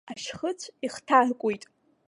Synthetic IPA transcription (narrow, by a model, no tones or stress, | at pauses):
aʃχət͡sʷʰiχtʰarkʷʼujtʼ